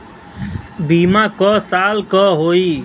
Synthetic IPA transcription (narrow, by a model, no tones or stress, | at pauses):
bimãkɔsalkɔɦoi